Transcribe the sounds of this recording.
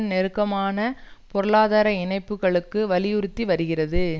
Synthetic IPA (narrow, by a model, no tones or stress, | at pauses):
nnɛɾɯkːɐmaːnɐpɔɾɯɭaːðaːɾɐɪnɐɪpːɯɣɐɭɯkːɯʋɐlɪjʊɾɯt̪ːiʋɐɾɯɣɪrɐðɯ